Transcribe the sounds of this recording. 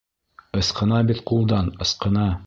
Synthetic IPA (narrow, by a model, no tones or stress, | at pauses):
ɤ̆sqɤ̆nɑbit̪qulˠd̪ɑnɤ̆sqɤ̆nɑ